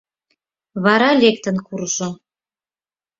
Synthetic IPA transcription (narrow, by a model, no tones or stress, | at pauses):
βɑɾɑlʲek̚t̪ə̆nkuɾʒo